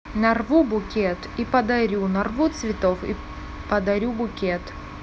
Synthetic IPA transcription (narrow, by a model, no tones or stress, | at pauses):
nɐrvubʊkʲet̪ipɐd̪ɐɾʲunɐrvut̪svʲɪt̪ofḭ | pɐd̪ɐɾʲubʊkʲet̪